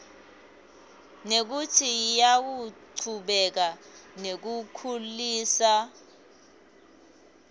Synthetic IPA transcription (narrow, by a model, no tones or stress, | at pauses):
nek̬utʰijak̬uǀʰuɓɛk̬anek̬ukʰuliːsa